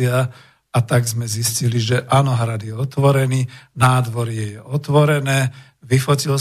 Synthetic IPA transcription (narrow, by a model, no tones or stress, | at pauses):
ɪa | at̪aɡzmɛzisciliʒɛʔanɔɦɾad̪jɛɔt̪ʋɔɾɛniːnaːd̪ʋɔɾjɛjɛʔɔt̪ʋɔɾɛnɛː | ʋifɔcil